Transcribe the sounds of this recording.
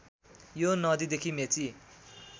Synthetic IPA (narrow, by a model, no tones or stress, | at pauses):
jonʌd̪id̪ekʰimet͡si